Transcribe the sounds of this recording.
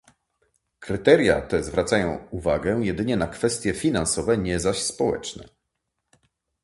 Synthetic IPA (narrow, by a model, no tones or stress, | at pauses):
kɾɘt̪ɛɾʲja̰t̪ɛzvɾat̪sajɔ̃w̃uvaɡɛjɛd̪ɘɲɛnakfɛst̪ʲjɛfʲinãnsɔvɛɲɛzaɕspɔwɛ̰t͡ʂnɛ̰